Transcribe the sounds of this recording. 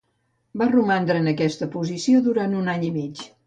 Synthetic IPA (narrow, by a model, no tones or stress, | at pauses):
barumand̪ɾəːnəkɛst̪əpuzisioðuɾant̪unaɲimit͡ʃ